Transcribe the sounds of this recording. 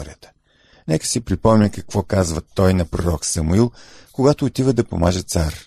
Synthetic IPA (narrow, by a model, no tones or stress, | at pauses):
ɾiət̪ə̥ | nɛkə̥sipɾipɔmnʲəkɐkvɔkazvət̪ɔjnɐpɾoɾɔksɐmuilˠkoɡat̪oːt̪ivəd̪ɐpo̰maʒɛt̪saɾ